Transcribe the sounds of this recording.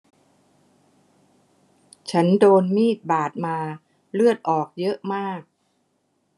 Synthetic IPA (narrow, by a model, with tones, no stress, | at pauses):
t͡ɕʰa˦˥ndoː˧nmiː˥˩t̪̚baː˨˩t̪̚maː˧ | lɯ˥˩ət̪̚ʔɔː˨˩k̚jɤ˦˥ʔmaː˥˩k̚